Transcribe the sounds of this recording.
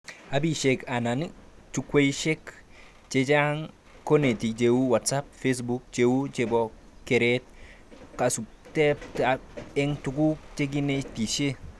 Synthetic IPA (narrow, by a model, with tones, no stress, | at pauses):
a˨bi˦˨ʃe˨ka˨na˨nt͡ʃu˦kwe˦iʃe˦k | t͡ʃe˦d͡ʒa˦ŋ | ko˦ne˨ti˨kt͡ʃewu˦wa˨tsa˦p̚fes̬bu˦k̚t͡ʃewu˦t͡ʃe˨bɔ | ke˨ɾet̚ | ka˨su | te˦ptae˦ŋtuku˦kt͡ʃe˦ɡ̬i˦ne˦ti˨ʃe˦